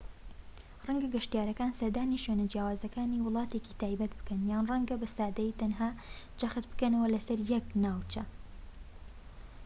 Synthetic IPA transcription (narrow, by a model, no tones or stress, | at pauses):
rɐŋɡɐɡɐʃt̪ijaːɾɐkaːnsɐɾd̪aːniʃɥenɐd͡ʒjaːwaːzɐkaːniwʊlˠɑːt̪eːcit̪ʰaːjbɐt̪̚bɨ̥kɐnjaːnrɐŋɡɐbɐst̪aːd̪ɐjit̪ɐnɦaːd͡ʒɐxɨt̪̚bɨ̥kɐnɐwɐlɐsɐɾjɛknaːwt͡ʃɐ